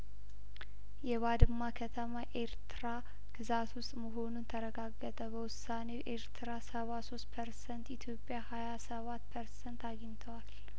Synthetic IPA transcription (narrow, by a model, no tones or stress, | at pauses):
jɛβad̪ɨmːakʰət̪ʰəmaʔe̞ɾt̪ɾa | ɡ̥ɨzat̪ʰwʊst̪ʼməɦo̞nunt̪ʰəɾəɡaɡːət̪ʰʼəbəwʊsːaneʔeɾt̪ʰɾasəβaso̞st̪̚pʰəɾsənt̪it̪ʰjo̞pʼːjahajasəβat̪ːpʰəɾsənt̪aɡiɲt̪ʰəwal